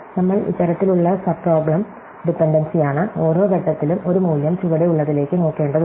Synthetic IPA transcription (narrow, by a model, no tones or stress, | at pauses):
nɐmːɐɭḭt͡ɕːɐɾɐt̪ːiluɭːɐsɐbpːro̞ːbɭɐm | ɖipːeɳɖɐnsijaːɳɨo̞ːɾo̞ːɡɐʈːɐt̪ːilumo̞ɾumuːljɐmt͡ɕuʋɐɽejuɭːɐðile̞ːkːɨno̞ːkːe̞ːɳɖɐð